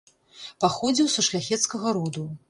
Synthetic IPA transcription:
paxɔd͡zʲiwsuʂlʲaxʲɛt̪skɐɣɐɾud̪u

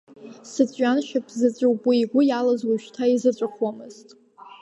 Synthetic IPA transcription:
sɨt͡sʷʼɥanʃapʰzɨt͡sʷʼɨwbuiɡʷʊjalazwuʃᶣtʰaizɨt͡ɕʷʼɨχwamɨz̥tʼ

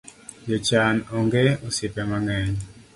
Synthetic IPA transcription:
jot͡ʃanɔŋɡeosɪpɛmaŋɛɲ

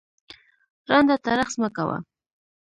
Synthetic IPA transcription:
ɾand̪at̪aɾaχsmakawa̰

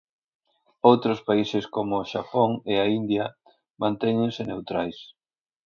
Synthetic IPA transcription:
owt̪ɾʊspaisɪskomʊːʃapoŋeaind̪jɐ | mãnt̪ɛɲeŋsenewt̪ɾajs

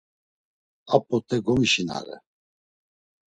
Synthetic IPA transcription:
apʼːɔt̪ʰʼɛɡɔmiʃina̰ɾɛ̰

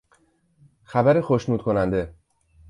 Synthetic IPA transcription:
xæbæɾexo̞ʃnuːd̪̥̚kʰo̞nænd̪e̞

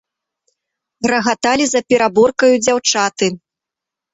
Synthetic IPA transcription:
ɾɐɣat̪alʲizɐpʲɛɾabɔrkɐjud͡zʲawt͡ʂat̪ɨ

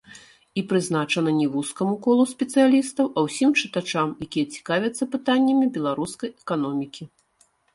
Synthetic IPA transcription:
ipɾɨzn̪at͡ʂɐnɐnʲɛvuskɐmukɔlˠusʲpʲɛt̪sɨjalʲist̪ɐwʔɐwsʲimt͡ʂɨt̪at͡ʂamjakʲijɐt͡sʲi̥kavʲɛt̪sːɐpɨt̪anʲːɐmʲibʲɛlˠaɾuskɐjɛkan̪ɔmʲikʲi

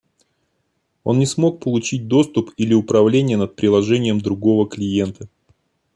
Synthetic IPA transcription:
o̞̰nnʲɪsmo̞k̚pəlˠʊt͡ɕit̚ʲd̪o̞st̪ʊpilʲɪʊpɾɐvlʲenʲɪjənət̪̚pɾʲɪlˠɐʐɛnʲɪjəmd̪ɾʊɡo̞vəklʲɪje̞nt̪ə

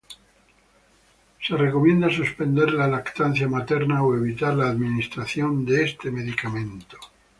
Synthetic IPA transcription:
se̞re̞ko̞mje̞nd̪asuspe̞nd̪e̞ɾlalakt̪anθjamat̪e̞ɾnaoe̞βit̪aɾlaːðminist̪ɾaθjo̞nd̪eest̪e̞me̞ðikamẽ̞nt̪o̥

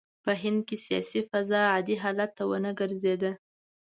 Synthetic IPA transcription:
pəɦɪnd̪̚kesijɑ̰sifazɑad̪iɦɑlat̪ːawənəɡəɾzed̪ə

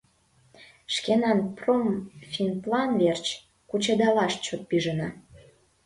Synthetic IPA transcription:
ʃkenɑnpromfʲinplɑnvert͡ɕ | kut͡ɕed̪ɑlɑʃt͡ɕot̪̚piʒənɑ

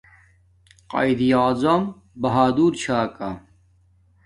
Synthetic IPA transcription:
qɐ̰id̪ijaːzɐm | bɐɦaːd̪uːɾt͡ɕʰaːkɐ

